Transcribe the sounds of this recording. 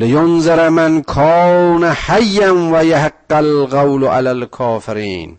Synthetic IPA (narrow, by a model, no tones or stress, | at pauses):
lɪjʊnzɪɾmankʰɑːnahajːanwajahaqːalɣawlʔa̰lalkʰɑːfɪɾiːn